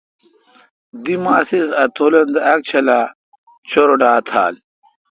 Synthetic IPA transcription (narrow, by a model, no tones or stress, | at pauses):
d̪imaːsisɐt̪ʰolɐnd̪eɐk̚t͡ɕʰɐlaː | t͡ɕʰoɾoɖaːt̪ʰa̰ːl